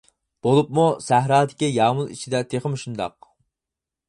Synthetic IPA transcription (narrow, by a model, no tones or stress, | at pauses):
b̥olˠup̚musæɦɾɑːd̪ɪkʲijɑːmulˠḭt͡ʃʰid̪ɛt̪ʰeχəmʃund̪ɑ̰q̚